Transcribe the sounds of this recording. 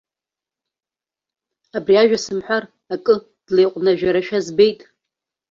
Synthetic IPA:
abriaʒᶣasɨmħʷᶣar | akʼɨ | d̥lejqʷʼnaʒᶣaɾaʃᶣazbe̞jtʼ

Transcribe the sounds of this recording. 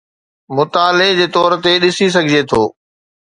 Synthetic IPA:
mʊt̪aːled͡ʑeːt̪ɔːɾt̪eɗɪsis̬ɐɡʱɪd͡ʑet̪ʰoː

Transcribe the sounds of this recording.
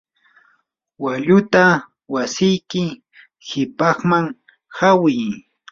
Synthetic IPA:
waʎʊt̪a | wasɪjkɪ | hɪpɑχmaŋ | hawɪj

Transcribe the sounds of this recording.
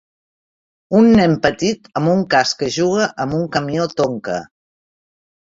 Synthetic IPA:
unːɛmpət̪it̪əmbuŋkaskəʒuɣ̞əʔəmbuŋkəmiot̪oŋkə̰

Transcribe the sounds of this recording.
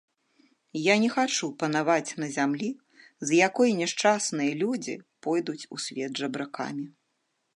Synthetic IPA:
janʲɛxat͡ʂupɐnavat͡sʲnɐzʲamlʲi | zjakɔjnʲɛʂt͡ʂasnɨjɐlʲud͡zʲḭpɔjd̪ut͡sʲusʲvʲɛd̪ʐɐbɾaka̰mʲi

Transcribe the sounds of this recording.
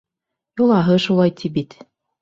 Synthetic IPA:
julˠɑɦɤʃulˠɑjt̪ʰʲibit̪

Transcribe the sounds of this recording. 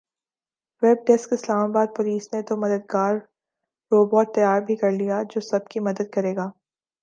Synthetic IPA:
ʋɛb̚ʈɛskɪslaːmabaːd̪̚poːliːsnet̪omɐd̪əd̪̚ɡaːɾ | ɾoːbɔːʈ̚t̪ɐjaːɾbʱikɐɾlijad͡ʒoːsɐb̚kimɐd̪əd̪̚kɐɾeːɡaː

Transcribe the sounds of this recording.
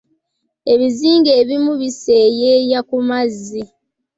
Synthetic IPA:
e̞βiziːŋɡe̞ːβimuβiseːjeːjakumazːi

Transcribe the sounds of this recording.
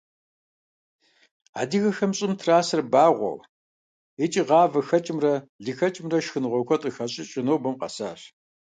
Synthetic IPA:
aːdiɣɐxɐmɕʼɪmtʰraːsɨrbaːʁʷɔ̰w | et͡ʃʼiʁɑːvɐxɐt͡ʃʼɪmrɐɮixɐt͡ʃʼɪmrɐʃxɨnʁʷɔkʷʰɔtʼɨxɐɕʼɪt͡ʃʼɪnowbɐmqʼɐ̰sa̰ːɕ

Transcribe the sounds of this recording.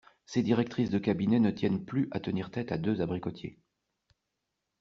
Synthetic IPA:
sed̪iʁɛk̚t̪χisd̪əkʲabinɛnət̪jɛnplyʔat̪əniʁt̪ɛt̪ad̪øzabʁikɔt̪jḛ

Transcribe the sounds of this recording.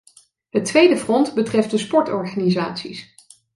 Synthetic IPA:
ɦətʋejdəfrɔntbətrɛft̚dəspɔɹtɔɹχaːniza̰ːtsḭs

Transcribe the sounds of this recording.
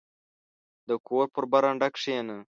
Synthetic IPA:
d̪əkoːɾpəɾbaɾaɳɖakʂeːnə

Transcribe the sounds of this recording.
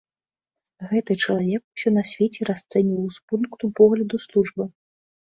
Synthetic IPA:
ɣɛt̪ɨt͡ʂɐlˠavʲɛkusʲɔnɐsʲvʲet͡sʲɛɾast̪sɛnʲiwspunkt̪upɔɣlʲɐd̪uslˠuʐbɨ

